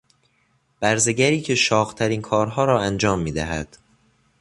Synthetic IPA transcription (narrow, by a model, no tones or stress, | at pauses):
b̥æɾzeɟæɾiːcʰe̞ʃɒːɣt̪ʰæɾiːnkʰɒːɾɦɒːɾɒːænd͡ʒɒːmːiːd̪æɦæ̰d̪̥